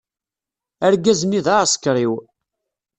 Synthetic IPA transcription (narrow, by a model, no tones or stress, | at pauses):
æɾɡæzniðaəskɾiw